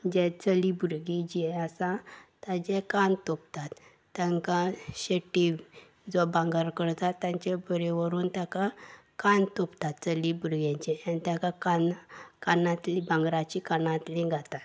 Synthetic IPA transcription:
d͡ʑɛt͡səlibuɾɡid͡ʑiɛasat̪ad͡ʑɛkant̪op̚t̪at̪ː | aŋkãɕeʈːi | d͡zɔbãŋɡaɾkəɽt̪at̪ːjãɲt͡ɕɛbəɾeʋəɾuːnt̪jaka | kant̪opt̪at̪t͡səlibuɾɡãt͡ɕɛanit̪jakakankanãt̪lĩbãŋɡɾat͡ɕikanãt̪lĩɡʱat̪at̪

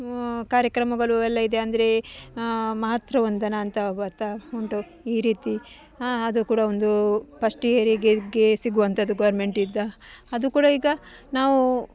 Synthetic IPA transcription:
kaːɾjɐkɾɐmɐɡɐɭuɛlːɐid̪e̞ɐnd̪ɐɾe̞ | maːɦɐt̪ɾɐʋond̪ɐnɐːnt̪ɐbɐt̪ːɐuɳʈu | iːɾiːt̪i | ɐd̪ukuːɽɐo̞nd̪upɐʂʈijɐɾiɡeɡe̞siɡuʋɐnt̪ʰɐd̪uɡɐʋɐɾme̞ɳʈid̪ːɐɐd̪ukuːɽɐiːɡɐ | naːʋu

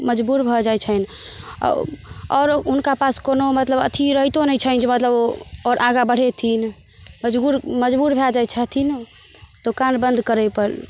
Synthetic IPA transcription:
məd͡ʒbuɾbʱɔd͡ʒajt͡ʃʰən̰ | ɔːɾɦunkapaskonomət̪ləbə̰t̪ʰiɾəɦt̪onəjt͡ʃʰənd͡ʒemət̪ləboɔɾʔaɡabəɽ̤et̪ʰin | məd͡ʒbuɾməd͡ʒbuɾbʱɛd͡ʒajt͡ʃʰət̪ʰin | t̪okanbə̃nd̪ʱkəɾəjpəɾ

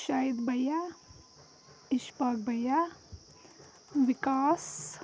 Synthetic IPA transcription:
ʃaːid̪bɐja | ɪʃpaːk̚bɐja | ʋɪkaːs

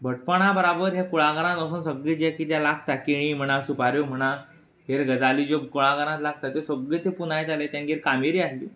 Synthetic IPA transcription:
bʱəʈ̚pəɽ̃abəɾabəɾɦjakuɭaɡəɾãt̪əsənsəɡɭed͡ʑakit̪jalakʰt̪akiɽ̃im̤əɽ̃asupaɾjom̤əɽ̃a | ɦeɾɡəd͡zaliːd͡ʑokuɭãɡəɾãt̪lak̚ʰt̪at̪esəbɡet̪epunajt̪alet̪jãŋɡeɾkameɾiːaɦlḭː

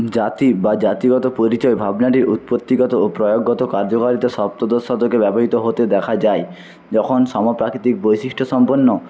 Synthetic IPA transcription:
d͡ʑat̪ibad͡ʑat̪iɡɔt̪opoɾit͡ɕɔebʱabnaʈiɾut̪̚pot̪ːiɡɔt̪oopɾɔjoɡːɔt̪okaɾd͡ʒokaɾit̪eʃɔp̚t̪od̪osɔd̪okebɛbɔɦit̪oɦot̪ed̪ɛkʰad͡ʑae | d͡ʒɔkʰonʃɔmopɾakɾit̪ik̚bojʃiʃʈʰosɔmponːo

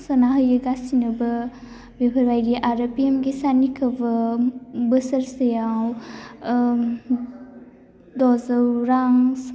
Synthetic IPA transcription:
sənaɦəjɯɡasinəbə | bebʱəɾbajɾiʔaɾəpiemɡesanikʰəbə | bəsəɾsəjaw | dɔzəwɾaŋs

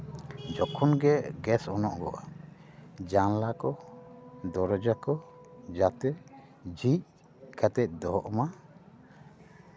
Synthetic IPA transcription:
d͡ʒɔkʰɔnɡɛɡɛsɔnɔʔɡɔ̰ʔa | d͡ʒanlakɔ | d̪ɔɾɔd͡ʒakɔ | d͡ʒat̪ɛ | d͡ʒic̚ | kʰat̪ɛc̚ˀd̪ɔɦɔʔma

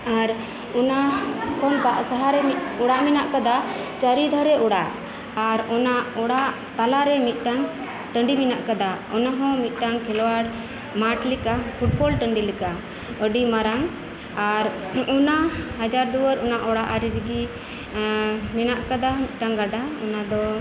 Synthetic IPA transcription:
aɾ | ɔnakɔnbaʔsaɦaɾɛmit̪̚ɔɽaʔmɛnaʔkad̪at͡ʃaɾid̪ʱaɾɛʔɔɽaʔ | aɾɔnaʔɔɽaʔ | t̪alaɾɛmit̪̚ˀʈaŋ | ʈəɳɖiminaʔkad̪aɔnaɦɔ̃mit̪̚ˀʈaŋkʰɛlwaɽ | maʈlikapʰuʈ̚bɔlʈəɳɖilika | əɖimaɾaŋ | aɾɔnaɦad͡ʒaɾd̪uwəɾɔnaʔɔɽaʔaɾiɾiɡi | mɛnaʔkad̪amit̪̚ˀʈaŋɡaɖaɔ̰nad̪ɔ

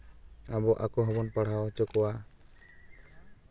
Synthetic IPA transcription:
abɔʔakɔɦɔbɔnpaɽ̤awt͡ʃɔkɔwa

